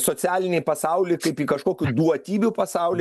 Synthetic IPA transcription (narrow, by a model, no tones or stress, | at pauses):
soːt̪sʲæːlʲɪnʲɛɪpɐsɑˑʊlʲeɪkɐɪpiːkɐʃkoːkʲʊd̪uɔt̪ʲiːbʲʊpɐsɑˑʊlʲɪ